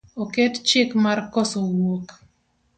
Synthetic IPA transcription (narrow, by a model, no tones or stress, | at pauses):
okɛtt͡ʃɪkmarkɔsowok